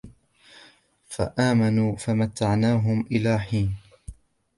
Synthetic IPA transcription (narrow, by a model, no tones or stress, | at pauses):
fa̰ʔaːmanuːfamat̪ːaʕnaːɦʊmʔɪlaːħiːn